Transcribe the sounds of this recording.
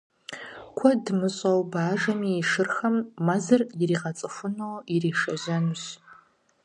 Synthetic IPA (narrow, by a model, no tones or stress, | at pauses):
kʷʰɐdmɨɕʼɐwbaːʐɐmiːʂɨrxɐmːazɐrjiriːʁɐt͡sʼɨfʷʊnowiriːʂɐʒɐnuɕ